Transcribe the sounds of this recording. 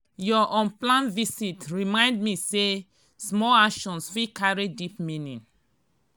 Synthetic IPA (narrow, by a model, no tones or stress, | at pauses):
jɔʔɔ̃nplãnvisitɹimãɪ̃ndmise | smɔlakʃɔ̃nswikaɹidipmĩnḭ̃n